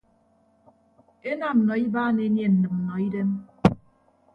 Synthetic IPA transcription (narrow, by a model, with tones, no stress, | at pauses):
e˦na˦˨m̩˨nɔ˨i˦baː˦ne˦nje˨n̩˨nɨ˨m̚m̩˨nɔ˨i˦de˦m